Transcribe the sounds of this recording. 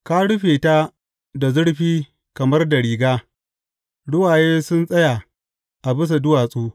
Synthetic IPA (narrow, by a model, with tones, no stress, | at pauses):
kaː˦ɽʊ˦ɸeː˨ta˦ | da˨zʊ˦ɽɸiː˦ | kɐ˨mɐ˦rda˨ɽiː˨ɡaː˦ | ɽʊ˦waː˨jeː˦sʊ˦nsʼɐ˦ja˨ | ʔa˨bɪ˦s̬a˨dʊ˦waː˨sʼuː˦